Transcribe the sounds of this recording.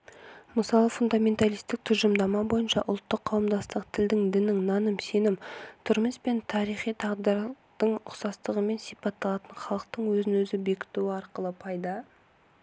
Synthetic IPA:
məsɑlˠəfund̪amʲe̞nt̪alˠijst̪ɪk̚t̪ʰʊʒəmd̪ɑmɑbo̞jənʃɑʔʊlˠt̪ːəqʰːɑwəmd̪ɑst̪əq̚t̪ʰɪld̪ɪŋd̪ɪnɪŋnɑnəmse̞nɪmt̪ʰʏɾmɪspe̞nt̪ʰɑɾijχijt̪ʰɑʁd̪ɑɾ | d̪̥əɴʊqsɑst̪əʁəme̞nsipɑt̪ːɑlˠɑt̪ənχɑlˠəq̚t̪əɴwɵzɪnwɵzɪbe̞kʲɪ̥t̪uwɪɑɾqəlˠəpʰɑjd̪ɑ

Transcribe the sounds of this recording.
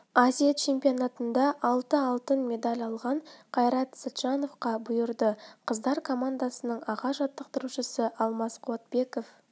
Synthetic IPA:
azijat͡ʃʰe̞mpʲijo̞nat̪ənd̪ɑʔɑlˠt̪əɑlˠt̪ənmʲe̞d̪alʲɑlˠʁɑɴqʰɑjɾɑt̪sat̪ʒ̥ɑno̞fqɑbʊjəɾd̪əqʰəzd̪ɑɾkʰo̞mand̪asənəɴɑʁɑʒɑt̪ːəq̚t̪əɾuʃəsəʔɑlˠmɑsqʰʊwɑt̪̚be̞ko̞f

